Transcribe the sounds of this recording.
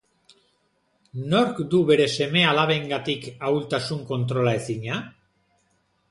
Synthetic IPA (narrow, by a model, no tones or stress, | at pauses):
no̞ɾkd̪uβe̞ɾe̞se̞me̞alaβe̞ŋɡat̪ikawlt̪asuŋko̞nt̪ɾo̞lae̞siɲa